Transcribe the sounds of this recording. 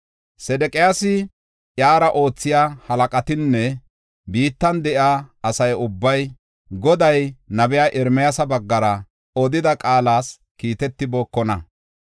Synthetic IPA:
sɛd̪ɛkʼɛjaːsɪ | ʔjaːɾɐʔo̞ːt͡sːɪjaːhɐlɐkʼɐt̪ɪnːɛ | biːt̪ːɐnd̪ɛʔjaːɐsɐjʊbːɐj | ɡɔd̪ɐjnɐbɛjaːʔɪɾmɛjasɐbɐɡːɐɾɐ | ɔd̪ɪd̪ɐkʼaːlaːs | kiːt̪ɛt̪ːɪboːkːɔnɐ

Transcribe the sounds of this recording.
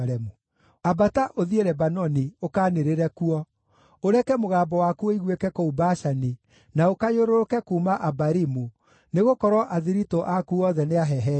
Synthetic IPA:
ɾɛmu | abataʔoðieɾɛbanɔniokaːneɾeɾɛkuɔ | oɾɛkɛmoɣaːbɔwakuɔiɣwekɛkɔubaʃani | naokajoɾoɾokɛkuːmaʔabaɾimu | neɣokɔɾwɔʔaðiɾitɔʔakuɔðɛneaɦɛɦɛ

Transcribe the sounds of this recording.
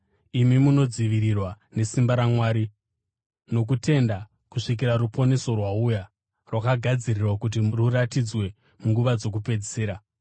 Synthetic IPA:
imimuno̞d͡ziʋirirwa | ne̞simbaɾamwaːɾi | no̞k̬ute̞nda | kuʂik̬iɾaɾupo̞ne̞so̞rwauja | rwakaɡʱad͡zirirwakut̬iruratid͡zwe̞ | muŋɡuʋad͡zo̞k̬upe̞d͡ziseːɾa

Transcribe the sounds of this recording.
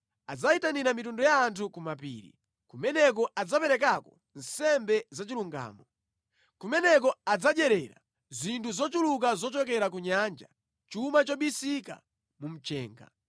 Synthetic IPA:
ad͡zaitaniɾamitundɔjaːntʰukumapḭːɾḭ | kumɛnɛk̬ɔʔad͡zapɛɾɛk̬akɔ | n̩sɛmbɛzat͡ʃiluŋɡa̰ːmɔ | kumɛnɛk̬ɔad͡zad͡ʒɛɾɛɾa̰ | zintuzɔt͡ʃuluk̬azɔt͡ʃɔkɛɾak̬uɲand͡ʒa̰ | t͡ʃumat͡ʃɔɓisika̰ | mum̩t͡ʃɛ̰ːŋɡa̰

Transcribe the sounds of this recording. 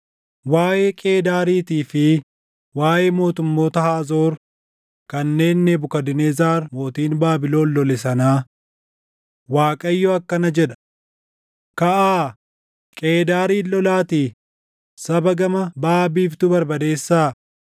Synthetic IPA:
waːjeːkʼe̞ːd̪aːɾiːt̪iːfɪ | waːʔeːmo̞ːt̪ʊmːo̞ːt̪ɐhaːzo̞ːɾ | kɐnːe̞ːnːɛbʊkɐd̪ɪnezaːɾmoːt̪iːnbaːbɪlo̞ːnlɔlɛsɐnaː | waːkʼɐjːɔɐkːɐnɐd͡ʒɛᶑɐ̥ | kɐʔaː | kʼe̞ːd̪aːɾiːlːɔlaːt̪iː | sɐbɐɡɐmɐbaːbiːft̪ʊbɐɾbɐd̪e̞ːsːaː

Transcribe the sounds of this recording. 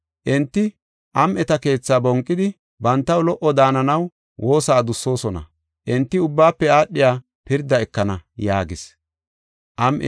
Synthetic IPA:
ʔɛnt̪ːɪ | ʔɐmʔɛt̪ɐke̞ːt͡sːaːbɔŋkʼːɪd̪ɪ | bɐnt̪ːɐwlɔʔɔd̪aːnɐnɐw | wʔo̞ːsaːd̪ʊsːo̞ːsɔnɐ̰ | ʔɛnt̪ːɪʊbːaːpːɛaːɗːɪjaː | pɪɾd̪ːɐɛkːɐnɐjaːɡɪs | ʔɐmʔɛ̰

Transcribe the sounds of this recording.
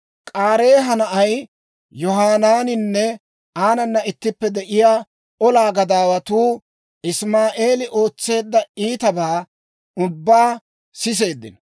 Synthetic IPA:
kʼaːɾe̞ːɦɐnɐʔɐj | jɔɦaːnaːnɪnːɛ | aːnɐnːɐɪt̪ːɪpːɛd̪ɛʔɪjaː | ʔɔlaːɡɐd̪aːwɐt̪uː | ɪsmaːʔe̞ːlɪʔo̞ːt͡sːe̞ːd̪ːɐiːt̪ɐbaː | ʊbːaː | sɪs̬e̞ːd̪ːɪ̰n

